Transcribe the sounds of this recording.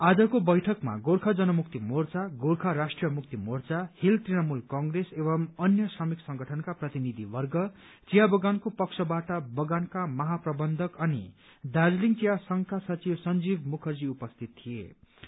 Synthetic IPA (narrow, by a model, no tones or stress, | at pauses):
ad͡zʌkobʌjʈʰʌkma̰ɡoɾkʰad͡zʌnʌmuk̚t̪imort͡saɡoɾkʰaɾasʈrijʌmuk̚t̪imort͡sahilt̪rinʌmulkʌŋɡresebʌmʌnjʌsrʌmiksʌŋɡʌʈʰʌnkaprʌt̪inid̪ʱibʌrɡʌ | t͡sijabʌɡankopʌksʰʌbaʈʌbʌɡankamʌɦaprʌbʌnd̪ʱʌkʌni | d̪ad͡zliŋt͡sijasʌŋkʰasʌt͡sibsʌnd͡zibmukʰʌrd͡ziupʌst̪ʰit̪̚tʰːijḛ